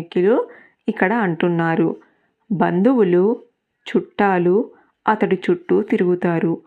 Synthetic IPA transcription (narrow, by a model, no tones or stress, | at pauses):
kjulu | ikːɐɽɐɐɳʈunːaːɾu | bɐnd̪uwulu | t͡ʃuʈːaːlu | ɐt̪ɐɽit͡ʃuʈːut̪iɾuɡut̪aːɾu